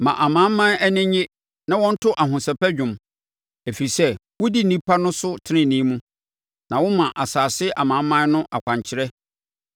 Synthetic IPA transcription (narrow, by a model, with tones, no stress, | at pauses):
mã̰˨ʔa˨mã˦mːã˦ɛ˦nɪ̃˦ɲɪ̃˦ | nã˨wɔ̃˦n̩˦tʰʊ˦ʔa˨ɦʊ̃˨sɛ˨pɛ˦d͡ʑᶣʊ̃˨m | e˨fi˨sɛ˦wʊ˦di˦˨nĩ˦pʰa˦nʊ̃˦sʊ˦tʰɪ˦nɪ̃˨nĩ˦mũ˦ | nã˨wʊ˦mã˨ʔa˨saː˨sɪ˦ʔa˨mã˨˦mːã˦nʊ̃˦ʔa˨kʷʰã˨ɲt͡ɕʰɪ˨ɾɛ˦